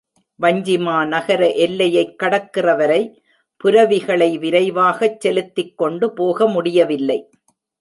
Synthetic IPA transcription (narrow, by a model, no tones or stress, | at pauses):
ʋɐɲd͡ʒɪmaːnɐɣɐɾɐʔɛlːɐjɐɪkːɐɽɐkːɪrɐʋɐɾɐɪ | pʊɾɐʋɪɣɐɭɐɪʋɪɾɐɪʋaːɣɐt͡ʃːɛlɯt̪ːɪkːɔɳɖɯpoːɣɐmʊɽɪjɐʋɪlːɐɪ